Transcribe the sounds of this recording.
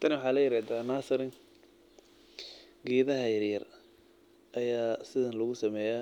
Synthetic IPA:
t̪ʰɐnwʊħɑːlɐjɪɾaːd̪aːnaːsɐɾɪ | ɡɛːðɐɦɐjɐɾjɐr | ʔɐjaːsɪðɐnlɐɣʊsɐmɛːja

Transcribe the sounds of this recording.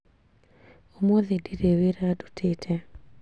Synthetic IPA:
omoðediɾeweɾadu̥tʰɪtʰe

